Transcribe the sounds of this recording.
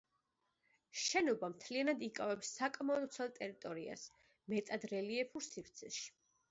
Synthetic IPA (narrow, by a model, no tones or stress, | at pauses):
ʃɛnɔbamt̪ʰlianad̪ikʼavɛpsːakʼmɛɔd̪t̪sʰɛlˠt̪ʼɛɾit̪ʼɔɾia̰s | mɛt̪ʼad̪ɾɛliɛpʰuɾsifɾt̪sʰɛʃi̥